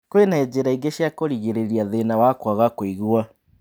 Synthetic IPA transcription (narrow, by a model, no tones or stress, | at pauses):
kwenaed͡ʑeɾaiŋɡeɕjakoɾiɣeɾeɾiaðenawakwaɣakoiɣua